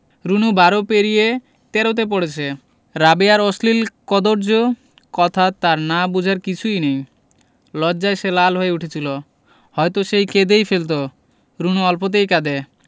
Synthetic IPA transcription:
ɾunubaɾopeɾije | t̪ɛɾot̪̬ep̬oɽet͡ɕʰe | ɾabeaɾɔslilkɔd̪oɾd͡ʑo | kɔt̪ʰat̪aɾnabud͡ʑʱaɾkit͡ɕʰujnej | lɔːd͡ʑaejʃelalɦoeuʈʰet͡ɕʰilo | hɔjt̪oʃejked̪ejfelt̪̬o | ɾunuɔlpot̪̬ejkad̪e

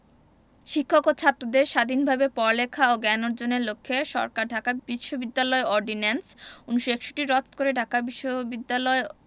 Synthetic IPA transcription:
ʃikʰːokot͡ɕʰat̪ːɾod̪eɾʃad̪ʱinbʱabepɔɾlekʰaoɡɛnoɾd͡ʑoneɾlokʰːeʃɔ̰ɾkaɾɖʱakabiʃːobid̪ːalɔeɔɾɖinensuniʃoekʃo̥ʈiɾɔt̪koɾeɖʱakabiʃːobid̪ːalɔe

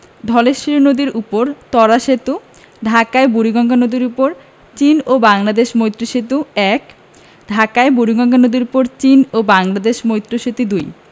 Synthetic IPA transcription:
d̪ʱɔleʃiɾonod̪iɾupoɾt̪ɔɾaʃet̪u | ɖʱakaebuɾiɡɔŋɡʰanod̪iɾupoɾ | t͡ɕinobaŋlad̪eʃmojt̪ːɾoʃet̪uɛk | ɖʱakaebuɾiɡɔŋkʰanod̪iɾupoɾt͡ɕinobaŋlad̪eʃmojt̪ːɾoʃet̪id̪uj

